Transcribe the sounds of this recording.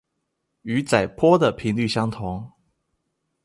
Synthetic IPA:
y˧˦t͡sa˨˩ɪpʰwɔ˥d̪ə˨pʰi˧˥nly˥˨˩ɕjɑ˥ŋt̪ʰʊ˧˦ŋ

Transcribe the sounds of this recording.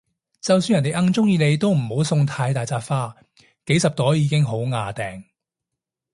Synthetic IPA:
t͡sɐ˨ws̬yː˧njɐ˨nt̪e˨˩ʔɐ˧˥ŋt͡sʊ˥ŋjiː˧ne˨˧jt̪o˥wm̩˨˩ho˨˥wsʊ˧ŋt̪ʰaː˧jt̪aː˨jt͡saː˧faː˥ | ke˨˥jsɐ˨p̚t̪ɔː˨˥jːiː˨˥kɪ˥ŋɦo˨˥wŋaː˨˧t̪ɛː˨˩ŋ

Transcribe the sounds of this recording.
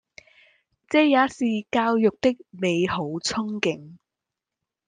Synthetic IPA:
t͡sɛː˧jaː˨˥siː˨kaː˧wjʊ˨k̚t̪ɪ˥k̚me˨˧jɦo˨˥wt͡sʰʊ˥ŋkɪ˧˩ŋ

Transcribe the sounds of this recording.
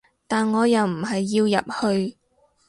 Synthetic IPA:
t̪aː˨nŋɔː˨˧jɐ˨wm̩˨˩ɦɐ˨jːiː˧wjɐ̰˨p̚hɵ˧ɥ

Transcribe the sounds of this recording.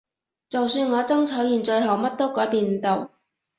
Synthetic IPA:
t͡sɐ˨wsyː˧nŋɔː˨˧t͡sɐ˥ŋt͡sʰɔː˨˥jiː˨˩nt͡ʃɵ˧ɥɦɐ˨wmɐ˥t̚t̪o˥wkɔː˨˥jpiː˧nm̩˨t̪o˨˩w

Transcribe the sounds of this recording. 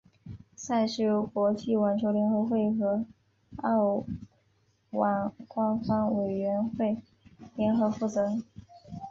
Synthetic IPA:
sa˥˧ɪʂɻi˥˩˧kwɔ˧˥t͡ɕi˥˩wa˨˩nʈ͡ʂʰjo˧˥ʊljɛ˧˥nxɤ˧˥xwe˥˩ɪxɤ˧˥ | ɑ˥˩ʊ | wa˨˩nkwa˥nfɑ˥ŋwe˨˩ɪɥɛ˧˥nxwe˥˩ɪ | ljɛ˧˥nxɤ˧˥fu˥˩t͡sɤ˧˥ŋ

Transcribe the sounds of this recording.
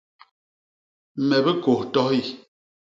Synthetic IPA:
mɛ˨bə˦ko˨tɔ˦i˦˨

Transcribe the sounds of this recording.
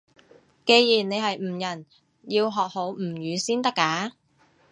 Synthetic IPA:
ke˧jjiː˨˩nne˨˧jɦɐ˨jm̩˨˩jɐ˨˩n | jiː˧wɦɔː˨k̚ho˨˥wm̩˨˩jyː˨˧siː˥nt̪ɐ˥kːaː˨˥

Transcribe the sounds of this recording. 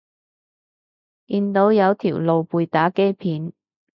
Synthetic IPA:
kiː˧nt̪o˨˥wjɐ˨˧wt̪ʰiː˨˩wlo˨wpuː˨˧jt̪aː˨˥kɛː˥pʰiː˨˥n

